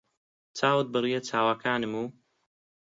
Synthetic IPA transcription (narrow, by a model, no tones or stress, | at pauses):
t͡saːwɨt̪̚bɨrijɛt͡sʰaːwaːkʰaːnɨmuː